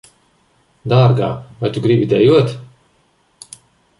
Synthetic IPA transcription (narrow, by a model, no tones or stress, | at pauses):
d̪aːɾɡa̰ːvajt̪uɡɾibʲid̪ɛjuɔt̪